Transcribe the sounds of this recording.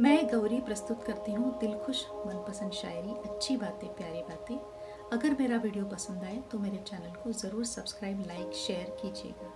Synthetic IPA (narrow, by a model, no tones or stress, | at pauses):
mɛ̃ːɡɐʋɾipɾɐst̪ʊt̪kɐɾt̪iɦũd̪ɪlxʰʊʃmɐnpɐsə̃nd̪ʃa̰ːjɾiɐtːʃʰibaːt̪ẽpjaːɾibaːt̪ẽː | ɐɡəɾmeːɾaʋiːɖijopɐsə̃nd̪aːet̪omeːɾet͡ʃɛːnəlkozɐɾuːɾsɐbskɾaːɪblaːɪkʃeːəɾkiːd͡ʒḛːɡaː